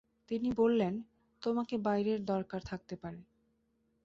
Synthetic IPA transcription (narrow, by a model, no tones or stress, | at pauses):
t̪inibolːen | t̪omakebajɾeɾd̪ɔɾkaɾt̪ʰak̚t̪epaɾe